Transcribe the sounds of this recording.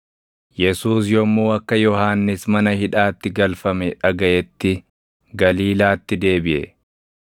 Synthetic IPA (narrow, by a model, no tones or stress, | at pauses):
jɛsuːsjɔmːuːɐkːɐjɔhaːnːɪsmɐnɐhɪᶑaːt̪ːɪɡɐlfɐmɛᶑɐɡɐʔɛt̪ːɪ | ɡɐliːlaːt̪ːɪd̪e̞ːbɪʔɛ̰